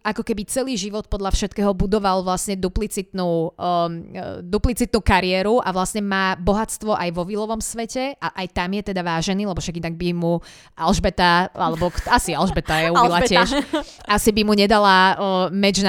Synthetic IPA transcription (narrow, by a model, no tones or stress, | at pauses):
ʔakɔkɛbit͡sɛliːʒiʋɔt̪̚pɔd̪lʎafʃɛt̪kɛːɦɔbud̪ɔʋalʋlasɲɛd̪uplit͡sit̪nuː | d̪uplit͡sit̪nuːkaɾɪɛːɾuʔaʋlasɲɛmaːbɔɦat͡st̪ʋɔʔajʋɔʋilɔʋɔmsʋɛcɛʔaʔajt̪amjɛt̪ɛd̪aʋaːʒɛniːlɛbɔfʃaɡinaɡ̚bimu | ʔalʒbɛt̪aalɛbɔkasialʒbɛt̪ajɛuilat͡ɕɪɛʃasibimuɲɛd̪alamɛd͡ʒn